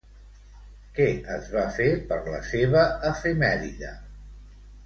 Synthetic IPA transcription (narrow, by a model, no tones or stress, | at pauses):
kɛəzβafepəɾlə̰seβəːfemɛɾiðə